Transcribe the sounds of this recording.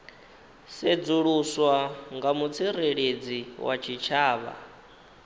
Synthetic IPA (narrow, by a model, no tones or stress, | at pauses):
sed͡zuɺuswaŋɡamut͡sʰiɾeɺed͡ziwʔa̰t͡ʃʰit͡ʃʰaːβa̰